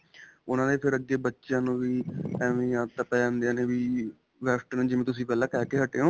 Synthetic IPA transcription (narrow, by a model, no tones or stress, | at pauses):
ʊnãːneːpʰɪɾəd͡ʒeːbətːʃjãːnũːʋiːɛːʋẽːãːt̪əpɛːãːnd̪eãːneːʋiː | ʋɛːsʈənːd͡ʒɪmẽːt̪ʊs̬ĩːpɛːlãːkɛːʈeːɦəʈːeːõː